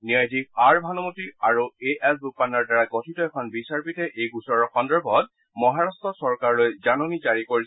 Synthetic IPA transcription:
niajdik̚aɹbʱanɔmotiaɹueɛsɡupanɔɹdaɹaɡɔtʰitɔɛkʰɔnbisaɹpitɛʔejɡusɔɹɔxɔndɛɹbʱɔt̚ | mɔɦaɹastɔsɔɹkaɹlojzanɔnizaɹikoɹi

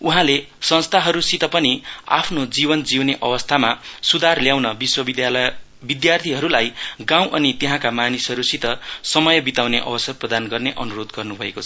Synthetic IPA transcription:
uɦãle | sʌ̃nst̪ʰaɦʌɾusit̪ʌpʌnia̰pʰnod͡zibʌnd͡ziwneʔʌbʌst̪ʰamasud̪arljawnʌbiswʌid̪jl | bid̪jart̪ʰiɦʌɾulajɡãw̃ʔʌnit̪eɦãkamanisɦʌɾusit̪ʌsʌmʌjʌbit̪awneʔʌ̰bʌsʌprʌd̪anɡʌrneʔʌnuɾod̪ɡʌrnubʱʌekot͡sʰʌ̥

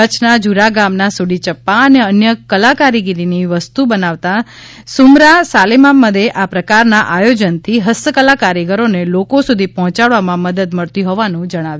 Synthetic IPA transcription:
ət͡ʃʰnad͡ʒuɾaɡamnasuɽit͡ʃəpːaəneənjəkəlakaɾiɡiɾiniʋəst̪ubənaʋt̪a | sumɾasalemamːəd̪eʔapɾəkaɾnaʔajod͡ʒənt̪ʰiɦəsəkəlakaɾjəɡəɾonelokosud̪ʱipɔɦɔ̃t͡ʃaɽʋamãməd̪əd̪məɭt̪iɦoʋanũd͡ʒəɽ̃aʋju

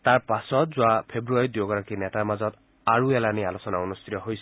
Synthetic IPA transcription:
t̪aɹpasɔt̪zuapʰebɾuaɾid̪joɡɔɾɔkinet̪amazɔt̪ | aɹuelanialosɔnaunust̪ʰit̪ɔɦojsʰ

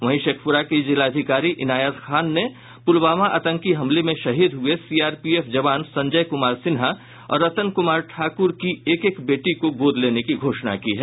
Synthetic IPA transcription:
ʋɐɦĩʃeːkʰpʊɾakid͡ʒɪlaːd̪ʱɪkaːɾiʔɪnaːjat̪xʰaːnːe | pʊlbaːmaʔɐt̪ə̃ŋkiɦɐ̃mlemẽʃɐɦiːd̪ɦʊesiːaːɾpieːfd͡ʒɐʋaːnsɐ̃ɲd͡ʒəjkʊmaːɾsɪnɦa | ɔ̰ːɾːɐt̪ənkʊmaːɾʈʰaːkʊɾkieːkeːkbeːʈikoɡoːd̪ʱleːnekiɡʱoːʃna̰kiɦɛː

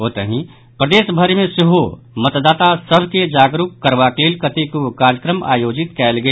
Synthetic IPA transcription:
oːt̪əɦĩ | pɾəd̪eːsbʱəɾmẽseɦo | mət̪d̪aːt̪asəbʱked͡ʒaːɡɾukːəɾʋakleːlkət̪ikukaːɾjəkɾəma̰ːjoːd͡ʒɪt̪kɛːlɡəe

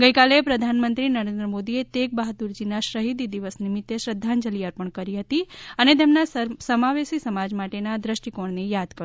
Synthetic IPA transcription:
ɡəjkalepɾəd̪ʱanmənt̪ɾinəɾẽnd̪ɾəmod̪iet̪ek̚baɦt̪uɾd͡ʒinaʃɾəɦid̪id̪iʋəsnimit̪ːeʃɾəd̪ʱːand͡ʒəliəɾpəɳkəɾiɦət̪iənet̪̬emnasəmaʋesisəmad͡ʒmaʈenad̪ɾəʃʈikoɳnijad̪kəɾ

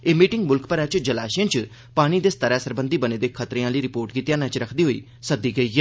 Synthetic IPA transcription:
eːmiːʈɪŋɡmʊlkpəɾɛːt͡ʃd͡ʒəlaːʃiãːt͡ʃ | paːɽ̃iːd̪eːst̪əɾɛːsəɾbənd̪iːbəneːd̪eːkʰət̪ɾeːãːləiːɾɪpoːɾʈkiːt̪ɪjãːnãːt͡ʃɾəkʰd̪iːɦoːḭː | səd̪iːɡəiːɛː

